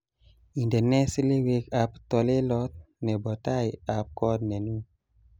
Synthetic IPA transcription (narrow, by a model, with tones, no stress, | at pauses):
i˨ndɛ˨nɛ˦si˦le˦we˨ka˨pt̪ɔ˧le˦lɔ˦t̪̚nɛ˨bɔ˨t̪a˦˨ja˨p̚kɔ˦dnɛ˨nu˦